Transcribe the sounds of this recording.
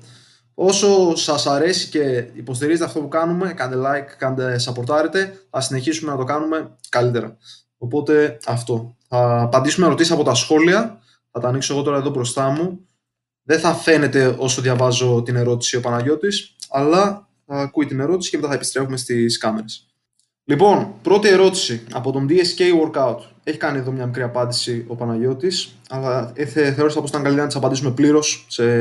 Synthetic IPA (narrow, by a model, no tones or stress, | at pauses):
o̞so̞sɐsɐɾe̞sice̞ipo̞st̪iɾize̞t̪eɐft̪o̞pukɐnume̞kɐnd̪elɐkːɐnd̪esɐpo̞ɾt̪ɐɾet̪e̞θɐsine̞çisume̞nɐt̪o̞kɐnume̞kɐlit̪e̞ɾɐ̰ | opo̞t̪e̞ɐft̪o̞θɐpɐnd̪isumeɾo̞t̪isisɐpo̞t̪ɐsxo̞liɐ | θɐt̪ɐːnikso̞ɣo̞t̪o̞ɾɐe̞ðo̞bɾo̞st̪ɐmu | ðe̞θɐfe̞ne̞t̪e̞o̞so̞ðʝɐvɐzo̞t̪ine̞ɾo̞t̪i̥sio̞pɐnɐʝo̞t̪isɐlɐ | θɐːkuit̪ine̞ɾo̞t̪i̥sicemet̪ɐθɐepi̥st̪ɾe̞fume̞st̪iskɐme̞ɾes | lipo̞npɾo̞t̪ie̞ɾo̞t̪i̥siɐ̰po̞t̪o̞nd̪iesce̞jwo̞ɾkɐut̪ | e̞çi̥kɐnie̞ðo̞mɲɐmikɾiɐpɐnd̪isio̞pɐnɐʝo̞t̪is | ɐlɐθeθe̞oɾisɐpoit̪ɐŋɡɐlit̪enɐt̪isɐpɐnd̪isume̞pliɾo̞sse